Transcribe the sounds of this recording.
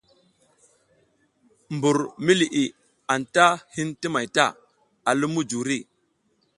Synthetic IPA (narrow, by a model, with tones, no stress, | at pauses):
mbu˨ɾmi˦li˨ʔi˨ | a˨nta˦hi˦nti˦ma˨jta˦˨ | a˨lu˦mu˦d͡ʒu˨ɾi˦˨